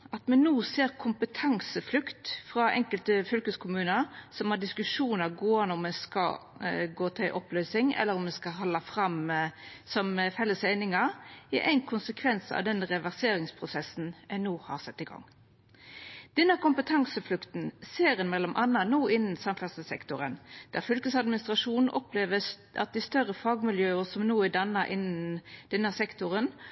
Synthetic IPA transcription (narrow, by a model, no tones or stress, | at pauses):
ʔɑt̪mɛnnuːseːɾkʰʊmpət̪ʰɑŋsəflʉkt̪fɾɑʔɛ̰ŋkəlt̪əfœlkəskʰʊmʉːnəɾsɔmhɑd̪ɪskʉʂuːnəɡoːɑnɔmːɛnskɑ̰ɡoːt̪ʰɪlʔɔplœːsɪŋɛ̰lːəɾɔmːɛskɑɦɔlːɑfɾɑm | sɔmfɛlːəsæɪnɪŋɑɪʔæ̰ɪnkʰʊnsəkʰʋɛnsɑ̰ʋd̪ɛnʁɛʋæʁseːɾɪŋspʰʁʊsɛsːn̩ɛnuːhɑ̰ʁsɛt̪ːɪɡɑ̰ŋ | d̪̥ɛnːəkʊmpət̪ʰɑŋsəflʉkt̪n̩seːɾənmɛlːɔmʔɑnːɑnuːɪnːn̩sɑmfæʁsəsɛ̰kt̪ʊɾənd̪̥æʁfʏlkəsɑd̪mɪnɪst̪ʁɑʂuːnn̩ʔɔpleːʋə | ɑ̰t̪̚d̪ɪst̪œʁəfɑːɡmɪljøːəsɔmnuːɪd̪ɑnːɑʔɪnnd̪̥ɛnəsɛkt̪ʊɾən